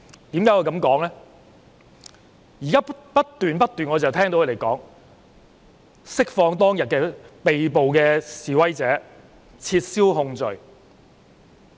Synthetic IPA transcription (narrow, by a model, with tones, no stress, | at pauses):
t̪iː˨˥mkaː˨˥jkɔ˨˧jkɐ˨˧˥mkɔː˨˥ŋlɛː˥ | jiː˨˩kaː˥pɐ˥t̚t̪yː˨npɐ˥t̚t̪yː˨nŋɔː˨˧t͡sɐ˨wt̪ʰɛː˥ŋt̪o˧˥kʰːle˨˩jkɔ̰ː˨˥ŋ | sɪ˥k̚fɔː˧ŋt̪ɔː˥ŋjɐ˨t̚kɛː˧pe˨jpo˨wkɛː˧siː˨wɐ˥jt͡sɛː˨˥ | t͡sʰiː˧t̚siː˥wɦʊ˧ŋt͡sɵ˨˩ɥ